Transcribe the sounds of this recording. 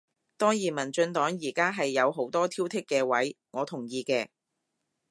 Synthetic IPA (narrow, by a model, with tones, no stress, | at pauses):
t̪ɔː˥ŋjiː˨˩mɐ˨˩nt͡ʃɵ˧nt̪ɔː˨˥ŋjiː˨˩kaː˥ɦɐ˨jːɐ˨˧wɦo˨˥wt̪ɔː˥t̪ʰiː˥wt̪ʰɪ˥kːɛː˧wɐ˨˥jŋɔː˨˧t̪ʰʊ˨˩ŋjiː˧kɛː˧